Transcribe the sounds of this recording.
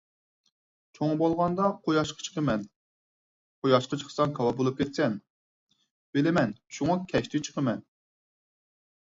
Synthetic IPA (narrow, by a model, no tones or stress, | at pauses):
t͡ʃʰoŋbɑlˠʁɑnd̪ɑqʰojɑʃqʰɑ̥t͡ʃʰə̥qʰəmɛn | qʰojɑʃqət͡ʃʰə̥χʰə̥sɑŋkʰɑwɑbolˠup̚kʲʰet̪sɛn | belɪmɛnʃuŋɑkʲʰɛʃt̪ʰɪt͡ʃʰə̥qəmɛn